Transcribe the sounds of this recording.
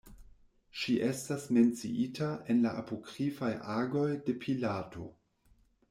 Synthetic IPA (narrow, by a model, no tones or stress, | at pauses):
ʃiʔe̞stasme̞nt͡siʔitae̞nlaʔapo̞kɾifajʔaɡo̞jde̞pʰilato̞̰